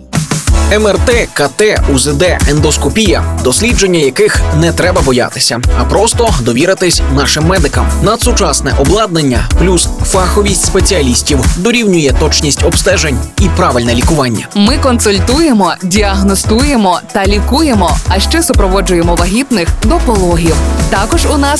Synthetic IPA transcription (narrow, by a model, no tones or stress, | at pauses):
ɛmɛrt̪ɛkɐt̪ɛuzed̪ɛend̪ɔskɔpʲijɐd̪ɔsʲlʲid͡ʒe̞nʲːɐjɐkɪxnɛt̪ɾɛbɐbɔjɑ̰t̪ɪ̥sʲɐɐpɾɔst̪ɔd̪ɔʋʲiɾɪt̪ɪsʲnɑʃɪmːɛd̪ɪkɐmnɐd̪sʊt͡ʃɑsnɛ̰ʔɔblˠɑd̪̚nenʲːɐplʲusfɑxɔʋʲisʲtʲspet͡sʲiɐlʲisʲtʲiwd̪ɔɾʲiwnʲʊjɛt̪ɔt͡ʃnʲisʲtʲɔbst̪ɛʒenʲipɾɑʋɪlʲnɛlʲikʊʋɑnʲːɐ̰mɪkɔnsʊlʲt̪uje̞mɔdʲiɐɦnɔst̪uje̞mɔt̪ɐlʲikuje̞mɔɐʃt͡ʃɛsʊpɾɔʋɔd͡ʒʊjemɔʋɐɦʲit̪nɪxd̪ɔpɔlˠɔɦʲiwt̪ɑkɔʒʊnɑs